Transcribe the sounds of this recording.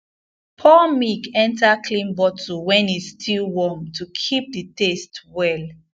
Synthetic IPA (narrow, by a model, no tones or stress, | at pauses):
pʰɔmikɛ̃ntakʰlĩmbɔtuwɛ̃nistʰilwɔmtʰukʰip̚dətestwɛl